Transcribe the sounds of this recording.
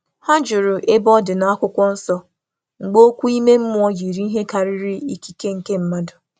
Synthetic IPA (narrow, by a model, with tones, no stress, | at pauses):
ha˦d͡ʒʊ˨ɾʊ˨ʔe˦bɔ˦dɪ˨na˨˦a˦kʷʊ˦kʷɔ˦n̩˦sɔ˦ | ŋ͡m̩˨ɡ͡bo˦kʷu˦i˦me˦m̩˦mʊ˦ɔ˦ji˨ɾi˦ɦe˦ka˨ɾɪ˦ɾɪ˦i˦ki̥˦ke˦ŋ̩˨ke˦m̩˦ma˦dʊ˨